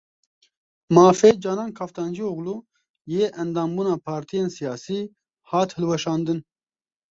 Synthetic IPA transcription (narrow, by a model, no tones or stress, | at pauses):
mɑːfeːd͡ʒɑːnɑːnkʰaːft̪ɑːnd͡ʒioɣluː | jeːʔɛnd̪ɑːmbuːnaːpʰɑːɾt̪ʰijeːnsijɑːsiː | hɑːt̪hɨlwɛʃɑːnd̪ɨn